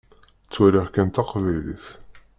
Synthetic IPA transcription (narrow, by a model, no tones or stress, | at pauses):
t͡sːwæɾiʁkænt̪ɑqvæjlḭθ